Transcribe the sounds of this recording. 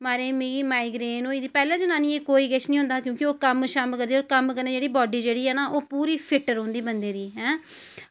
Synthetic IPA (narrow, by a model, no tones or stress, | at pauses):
maːɾeːmiːɡiːmaːiːɡɾeːnoːiːd̪iːpɛːlẽːd͡ʒənãːnĩːeːkoːiːɡɛʃnĩːɦʊ̃nd̪aːkjõːkɪoːkəmʃaːmkəɾd̪iːoːɾkəmkəɾneːd͡ʒeːɽiːbɔːɖiːd͡ʒeːɽiːɛːnaːʔoːpuːɾiːpʰɪʈəɾɦõnd̪iːbənd̪eːd̪iːɦɛ̃ː